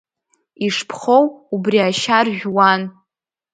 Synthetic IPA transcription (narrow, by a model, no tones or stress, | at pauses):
iʂpʰχowubriaʃarʒᶣwan